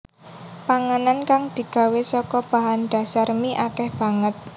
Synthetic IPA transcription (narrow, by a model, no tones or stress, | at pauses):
paŋanankaŋd̪̥i̤ɡ̥a̤wesɔkɔb̥a̤ɦanɖ̪̥a̤sarmiʔakɛhb̥a̤ŋət̪̚